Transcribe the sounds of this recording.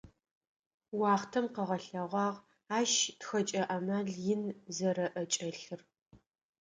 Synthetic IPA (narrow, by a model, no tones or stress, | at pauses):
wɑːχtʰɐmqəʁɐɬɐʁʷɑːʁ | aːʃtxɐt͡ʃʼɐʔɐmaːɮjɪnzɐɾɐʔɐt͡ʃʼɐɬɨr